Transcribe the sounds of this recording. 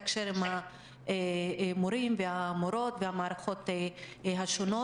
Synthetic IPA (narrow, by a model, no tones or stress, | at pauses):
akʃeɾimha | moɾimvehamoɾo̞t̪vehamaːɾaχo̞t̪e | ɦaʃono